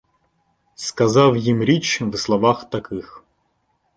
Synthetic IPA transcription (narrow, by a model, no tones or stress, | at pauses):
skɐzɑwjimɾʲit͡ʃʋslˠɔʋɑxt̪ɐkɪx